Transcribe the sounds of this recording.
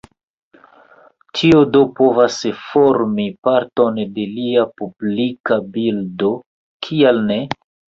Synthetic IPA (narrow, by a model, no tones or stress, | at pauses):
tʰiodopo̞vasfo̞ɾmipaɾto̞nde̞liapublikabildo̞ | kʰialne̞